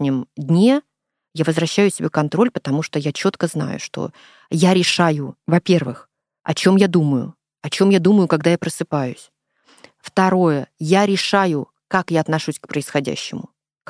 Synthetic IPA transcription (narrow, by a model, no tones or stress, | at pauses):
nʲɪmd̪ʲnʲe | javəzvɾɐɕːæjʊsʲɪbʲekːɐnt̪ɾo̞lʲpə̥t̪ɐmuʂt̪ojat͡ɕo̞t̪kəzna̰jʊ̰ʂt̪o̞̰ | jaɾʲɪʂajʊvɐpʲe̞rvɨx | ɐ̰t͡ɕo̞mjad̪uməjʊ̰ | ɐt͡ɕo̞mjad̪uməjʊkɐɡd̪ajapɾəsɨpajʊsʲ | ft̪ɐɾo̞jəjaɾʲɪʂajʊ | kakjaɐt̪nɐʂusʲkpɾəɪsxɐdʲæ̰ɕːɪmʊ | k